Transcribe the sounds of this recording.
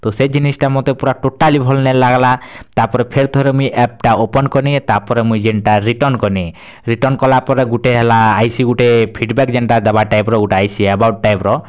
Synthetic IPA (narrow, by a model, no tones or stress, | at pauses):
t̪osed͡ʒinisʈamɔt̪epuɾaʈoʈalibʱɔlnelaɡlat̪aɾpɔɾepʰeɾt̪ɔɾemũjʔɛp̚ʈaopɔnkɔnit̪aɾpɔɾemũjd͡ʒeɳʈaɾiʈɔnkɔni | ɾiʈɔnkɔlapɔɾeɡuʈeɦelaːjsiɡuʈepʰiɖbɛkd͡ʒeɳʈad̪ɛbaʈajpɾɔɡuʈaajsiɛbawʈ̚ʈajpɾɔ